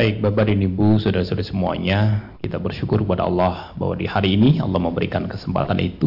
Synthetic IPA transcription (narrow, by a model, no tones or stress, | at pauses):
baɪk̚babadinibusudaɾasudasəmua̰ɲakit̪abərʃukʊrkəpada̰ɑ̰lːɑhba̰wa̰dihaɾiːniɑ̰lːɑhməmbəɾikankəsəmpa̰t̪anʔḭt̪u